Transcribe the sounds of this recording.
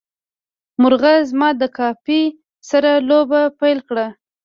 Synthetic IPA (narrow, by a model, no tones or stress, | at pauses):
mʊɾɣazmɑd̪əkɑfi | saɾalobapajlkɽa